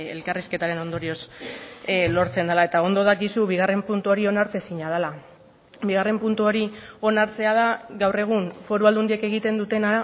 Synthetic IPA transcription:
ḛlkariske̞t̪aɾe̞no̞nd̪o̞ɾio̞s | lo̞ɾt͡se̞nd̪alae̞t̪ao̞nd̪o̞ð̞akisuβiɣ̞are̞mpunt̪uo̞ɾio̞naɾt͡s̪esiɲað̞ala | biɣare̞mpunt̪uo̞ɾio̞naɾt͡se̞að̞aɣawre̞ɣ̞unfo̞ɾuald̪und̪ieke̞ɣ̞it̪e̞nd̪ut̪e̞na

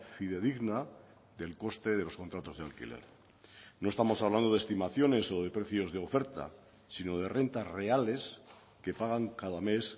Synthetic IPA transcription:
fiðe̞ðiɣna | ðe̞lko̞st̪e̞ð̞e̞lo̞sko̞nt̪ɾat̪o̞zðealkḭle̞̰ɾ | no̞est̪amo̞saβland̪o̞ðest̪imaθjo̞ne̞so̞ð̞e̞pɾe̞θjo̞zðe̞o̞fe̞ɾt̪a̰ | sino̞ð̞e̞re̞nt̪azreale̞s | ke̞paɣ̞aŋkaðame̞s

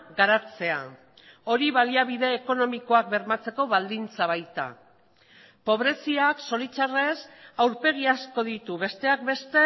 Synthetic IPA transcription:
ɡaɾat͡se̞a̰ | o̞ɾiβaliaβ̞iðe̞ːko̞no̞miko̞ak̚be̞ɾmat͡se̞ko̞βald̪int͡saβ̞ajt̪a̰ | po̞βɾe̞siakso̞lit͡ʃare̞sawɾpe̞ɣ̞iasko̞ðit̪uβe̞st̪e̞akbe̞st̪e̞

